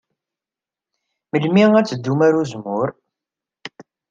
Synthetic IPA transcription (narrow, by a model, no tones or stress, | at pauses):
məlmiʁæt͡sːəd̪ːumaɾuzmʊɾ